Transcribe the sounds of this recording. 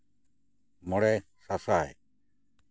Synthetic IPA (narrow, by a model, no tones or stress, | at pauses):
mɔɽɛ | sasaɛ̰